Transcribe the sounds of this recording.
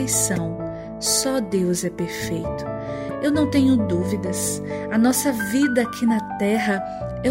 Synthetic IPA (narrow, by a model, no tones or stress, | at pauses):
ejsɐ̃w̃ | sɔd̪ewzɛpeɾfejt̪ʊ̥ | ewnɐ̃w̃t̪ẽɲʊd̪uvid̪ɐsɐnɔsɐvid̪ɐakʰinɐt̪ɛɦɐ | ɛ